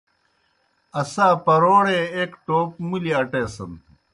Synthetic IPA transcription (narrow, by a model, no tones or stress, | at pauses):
ɐsaːpɐɾoːɽeeːkʈoːpmuliaʈeːsɐn